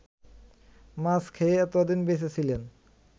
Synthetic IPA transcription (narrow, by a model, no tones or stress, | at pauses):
maskʰeeɛt̪od̪inbeʃet͡ɕʰilen